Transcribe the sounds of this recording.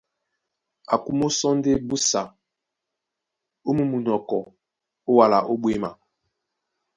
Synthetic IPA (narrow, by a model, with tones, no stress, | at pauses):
a˨ku˦mo˦sɔ˦n˦de˦bu˦sa˨ | o˦mu˨mu˨nɔ˨kɔ˨ | o˦wa˨la˨ʔo˦ɓwe˦ma˨